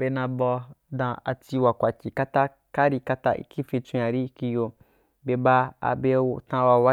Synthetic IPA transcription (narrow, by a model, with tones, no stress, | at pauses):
be˧nã˧bɔ˧dã˨˧a̰˧ti˧wa˨kʷa˨kʲi˨ka˦ta˦ | ka˦ɾi˧ka˧ta˦ʔḭ˦ki˦fĩ˧t͡sũ˧ja˨ɾi˦ki˧jo˧ | be˧ba˧a̰˧be˧˦tã˧wa˧wa˦